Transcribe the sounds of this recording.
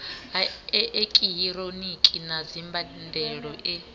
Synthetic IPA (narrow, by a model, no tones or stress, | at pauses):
ʔekʼijiɾonikʼinazimbʱandʱɛɺɔʔɛ